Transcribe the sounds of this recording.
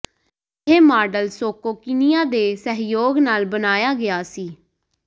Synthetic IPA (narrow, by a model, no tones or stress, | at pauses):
ɦeːmaːɖəlsoːkoːkɪnijãːd̪eːsəɦjoːɡnaːlbənaːjaːɡɪaːsiː